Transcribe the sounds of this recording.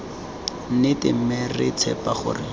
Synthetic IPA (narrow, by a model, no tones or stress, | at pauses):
nɪtɪm̩merɪ̰t͡sʰɛpaχʊ̰rɪ